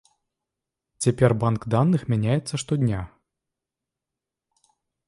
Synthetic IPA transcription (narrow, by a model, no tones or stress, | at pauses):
t͡sʲepʲerʲbankd̪anːɨxmʲɛnʲajɛt̪səʂt̪ɔdʲnʲa